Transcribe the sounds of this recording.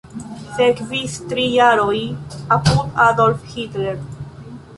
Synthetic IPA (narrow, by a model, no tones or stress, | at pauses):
fɛkviθt̪ɾijaɾɔjaput̪ʰad̪ɔlfhit̪lɛɾ